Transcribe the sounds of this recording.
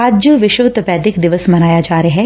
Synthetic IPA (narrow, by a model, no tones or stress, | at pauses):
ad͡ʒəʋɪʃət̪pɛːd̪ɪkd̪ɪʋəsmɐnaːjad͡ʒaːɾeɦɛ